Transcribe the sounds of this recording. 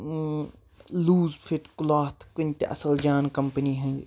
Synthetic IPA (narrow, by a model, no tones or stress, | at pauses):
luːzpʰɪʈkʊlaːt̪ʰkʊnt̪ḛʔɐ̰səld͡ʒaːnkɐmpəniɦɐ̃